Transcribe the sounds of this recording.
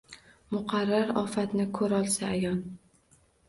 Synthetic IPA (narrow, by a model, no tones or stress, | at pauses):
mʊqʰɑɾːaɾɒ̰fat̪nɪkʰɵɾɒlˠsaːjɒn